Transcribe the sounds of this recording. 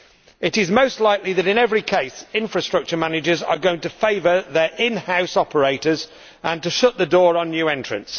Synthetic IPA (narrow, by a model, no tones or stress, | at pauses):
ɪtɪzmoʊstˡlaɪkliðəɾɪ̃nɛvɹikʰeɪsɪ̃ɱfɹəstɹ̥ʌk̚t͡ʃəmanɪd͡ʒəzə̰ɡoʊɪ̃ŋtəfeɪvəðəɹʔɪ̃nhaʊsɒpəɹeɪtəz | ə̃ntəʃʊʔ̪ðədɔːɹə̃nːjʉːɛ̃nt͡ʃɹ̥ə̰̃ns